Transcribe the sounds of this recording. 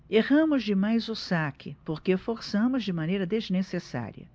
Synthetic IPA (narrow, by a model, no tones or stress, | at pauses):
eʁɐ̃mʊzd͡ʒɪmajzʊsakʰɪpoɾkefoɾsɐ̃mʊzd͡ʒɪmanejɾɐd̪eznesesa̰ɾiɐ̰